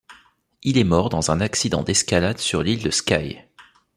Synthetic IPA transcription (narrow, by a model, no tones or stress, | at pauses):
ilɛmɔʁd̪ɑ̃zɛ̃naksid̪ɑ̰̃d̪ɛskalad̪syʁlild̪əskaj